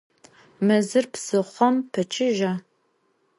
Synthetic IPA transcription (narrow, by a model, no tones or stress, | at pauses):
mɐzɨrpsɨχʷɔmpʰɐt͡ʃʰʼɪʒaː